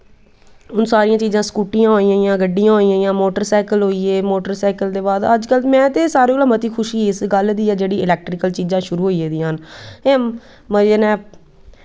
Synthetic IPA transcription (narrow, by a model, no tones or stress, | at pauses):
ʊnsaːɾɪjãːt͡ʃiːzãːskuːʈɪjãːɦoːiãːjãːɡəɖːijãːɦoːijãjãːmoːʈəɾsaːkəlɦoːiːeːmoːʈəɾsaːkəld̪eːbaːd̪əd͡ʒkəlmɛ̃ːt̪eːsaːɾẽːklãːmət̪iːkʰʊʃiːɪsɡəld̪iːɛːd͡ʒeːɽiːʔɪlɛːk̚ʈɾɪkəlt͡ʃiːzãːʃʊɾuːɦoːieːd̪iːãneː | məeːnɛ̃ː